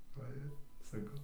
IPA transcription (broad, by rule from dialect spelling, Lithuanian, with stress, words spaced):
ˈʋɐ ɪr sɐˈkɐʊ